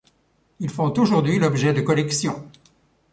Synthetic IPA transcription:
ilfɔ̃t̪oʒuʁd̪ɥilɔbʒɛd̪əkɔlɛksjɔ̃

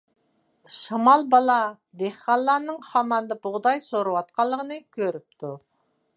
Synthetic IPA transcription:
ʃɑmɑlˠbɑlˠɑ | d̪ehqɑlˠːɑɾnɨŋχɑmɑnd̪ɑbʊʁd̪ɑjsoɾuwɑt̪̚qɑlˠːəʁənɨkʲʰøɾyp̚t̪ʰu

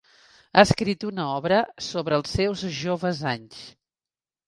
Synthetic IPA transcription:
aəskɾit̪unəɔβɾəsoβɾəːlˠsɛwzʒoβəzaɲs

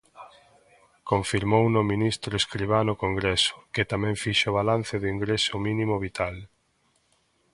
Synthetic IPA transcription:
koɱfiɾmownomĩnist̪ɾoeskɾiβ̞anʊkoŋɡɾesʊ̥kɪt̪amɛ̃ɱfiʃʊβalanθeðʊiŋɡɾesʊmĩnĩmoβit̪al

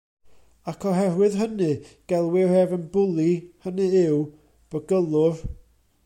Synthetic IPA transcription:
akʰɔɦɛɾwɨðɦənɨɡ̥ɛlˠwɪrɛvənbʊlˠihənɨɪw | b̥əɡəlˠʊv

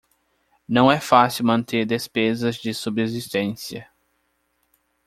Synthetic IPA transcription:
nɐ̃w̃ɛfasɪwmɐ̃nt̪eɾd̪espezɐzd͡ʒɪsubezist̪ẽsiɐ

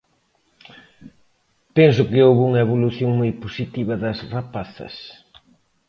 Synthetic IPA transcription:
pɛns̬ʊkɪowβuŋɐeβoluθjoŋmojposit̪iβɐðɐsrapaθɐ̰s

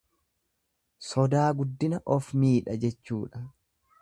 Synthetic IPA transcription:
sɔd̪aːɡʊd̪ːɪnɐʔɔfmiːᶑɐd͡ʒɛt͡ʃːuːᶑɐ

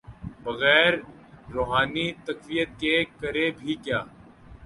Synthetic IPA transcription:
bɐɣɛːɾː | oːɦaːnit̪ɐkʋijət̪̚kekɐɾebʱikjaː

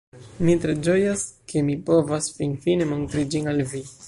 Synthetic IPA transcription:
mitɾe̞d͡ʒo̞jaskʰe̞mipo̞vasfinfine̞mo̞ntɾid͡ʒinalvi

